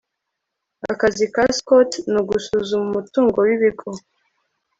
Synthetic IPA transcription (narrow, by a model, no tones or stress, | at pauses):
a̰kazikaskotnuɡusuzumumutuːŋɡo̞wiβiɡo